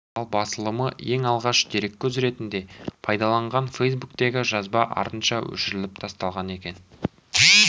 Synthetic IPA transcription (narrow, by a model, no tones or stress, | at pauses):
ɑlˠbɑsəlˠəməje̞ŋɑlˠʁɑʃd̪e̞ɾe̞kʲːɵzɾe̞t̪ɪnd̪e̞pʰɑjd̪ɑlˠɑɴʁɑnfejsbukt̪e̞ɡʲɪʒɑzbɑʔɑ̰ɾt̪ənʃɑwɵ̰ʃɪɾɪlɪp̚t̪ʰɑst̪ɑlˠʁɑne̞kʲe̞n